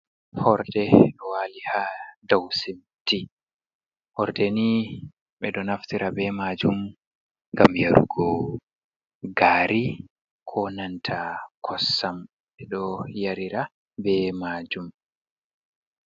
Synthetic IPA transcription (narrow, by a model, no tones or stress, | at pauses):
hɔɾdɛɗɔwalihadawsim | ti | hɔɾdɛni | ɓɛɗɔnaftiɾabɛmaːd͡ʒum | ŋɡamjaɾṵɡɔ | ɡaːɾi | kʰɔnantʰakʰɔsːam | ɓɛɗɔjaɾiɾa | bɛmaːd͡ʒum